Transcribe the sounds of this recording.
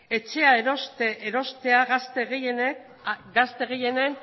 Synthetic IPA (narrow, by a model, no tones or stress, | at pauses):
e̞t͡ʃe̞aeɾost̪eɾo̞st̪e̞aɣast̪eɣejene | ɡast̪e̞ɣeje̞nen